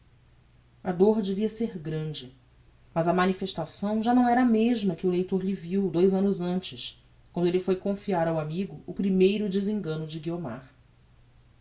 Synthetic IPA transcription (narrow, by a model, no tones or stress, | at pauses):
ɐd̪oɾd͡ʒeviɐseɾɡɾɐ̃d͡ʒɪ | mɐzɐmɐnifeʃt̪asɐ̃w̃ʒanɐ̃w̃ɛɾɐameʒmɐkɪʊlejt̪oɾʎɪviwd̪ojzɐ̃nʊzɐ̃nt͡ʃɪs | kwɐ̃nd̪ʊelɪfojkõfiaɾawamiɡʊːpɾimejɾʊd͡ʒɪzĩŋɡɐ̃nʊd͡ʒɪɡioma̰ɾ